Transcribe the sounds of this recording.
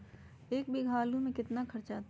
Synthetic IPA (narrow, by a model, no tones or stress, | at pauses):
eːkbʱiɡʱaːlumẽkɪt̪nakʰɐɾt͡ʃat̪